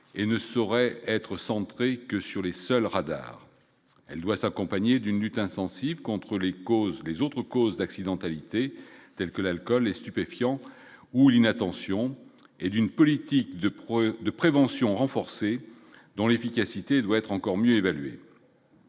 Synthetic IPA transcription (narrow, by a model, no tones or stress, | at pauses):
enəsɔʁɛɛt̪χəsɑ̃t̪χekəsyʁlesœlʁad̪a̰ʁ | ɛ̰ld̪wasakɔ̃paɲed̪ynlyt̪ɛ̃sɑ̃sivkɔ̃t̪χəlekozlezot̪χəkozd̪aksid̪ɑ̃t̪alit̪et̪ɛlkəlalkɔlɛst̪ypefjɑ̃ | ulinat̪ɑ̃sjɔ̃ | ed̪ynpɔlit̪ikd̪əd̪əpχevɑ̃sjɔ̃ʁɑ̃fɔʁse | d̪ɔ̃lefikʲasit̪ed̪waɛt̪χɑ̃kɔʁmjøevalɥḛ